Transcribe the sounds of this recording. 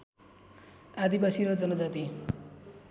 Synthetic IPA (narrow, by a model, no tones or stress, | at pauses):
ad̪ibasiɾʌd͡zʌnʌd͡zat̪i